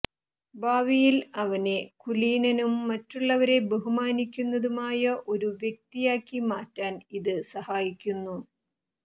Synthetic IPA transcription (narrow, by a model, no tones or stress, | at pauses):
baːʋijilɐʋɐne̞kuliːnɐnumːɐtːuɭːɐʋɐɾe̞beɦumaːnikʲːunːɐðumaːjɐʔo̞ɾuʋjek̚t̪ijaːkːimaːtːaːniðɨsɐhaːjikʲːunːu